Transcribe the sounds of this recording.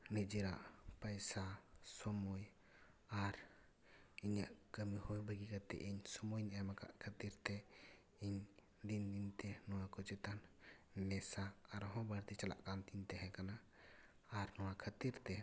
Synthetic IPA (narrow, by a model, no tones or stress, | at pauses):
nid͡ʒiɾa̰ʔpəjsasɔmɔj | aɾ | iɲaʔkəmihɔjbəɡikat̪ɛ̰ʔiɲsɔmɔjɲamaka̰ʔkʰət̪iɾt̪ɛ | iɲ | d̪ind̪int̪ɛnɔwakɔt͡ʃɛt̪anː | ɛsaːɾɦɔ̃baɾt̪it͡ʃala̰ʔkant̪int̪ɛɦɛ̃kanaː | ɾnɔwakʰət̪iɾt̪ɛ